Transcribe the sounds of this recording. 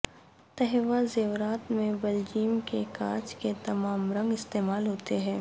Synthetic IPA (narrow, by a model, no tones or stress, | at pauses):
t̪ɛɦʋazeːʋɾaːt̪mẽbɐld͡ʒiːmkekã̰ːt͡ʃket̪ɐmaːmɾɐ̃ŋɡɪst̪eːmaːlɦoːt̪eɦɛ̃ː